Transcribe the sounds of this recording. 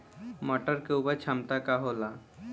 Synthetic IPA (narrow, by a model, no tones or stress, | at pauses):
maʈəɾkeubat͡ʃʰamt̪akaɦola